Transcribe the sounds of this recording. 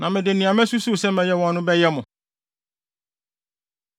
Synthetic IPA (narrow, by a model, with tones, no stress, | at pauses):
nã˨mɪ̃˨dɪ˨nĩ˨ã˨mɛ̃˦su˦su˦˨sɛ˦mɛ̃˨jɛ˦wɔ̃˨nːʊ̃˦bɛ˦jɛ˦mʊ̃˨